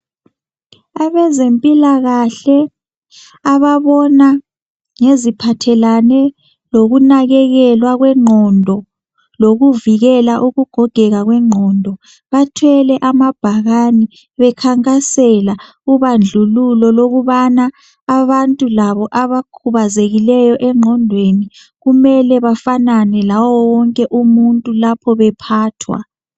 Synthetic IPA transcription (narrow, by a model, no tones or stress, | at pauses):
aβɛzempʼilaɣaɬɛ | aβaβɔna | ŋezipʰatʰɛlanɛ | loɣunaɣɛɣɛlwaɣwɛŋ͡ǃʱɔndʱɔ | loɣuviɣɛlaʔuɣuɡ̥ʱɔɡ̥ʱɛɣaɣwɛŋ͡ǃʱɔndʱɔ | βatʰwɛlɛʔamab̥ʱaɣani | βɛkʰaŋkʼasɛla | uβand͡ɮʱululɔloɣuβanaː | βantʼulaβɔʔaβakʰuβazeɣilɛjɔʔɛŋ͡ǁʱɔndʱweni | ɣumɛlɛβafananɛlawɔwɔŋkʼɛʔumuntʼulapʰɔβɛpʰaːtʰwa̰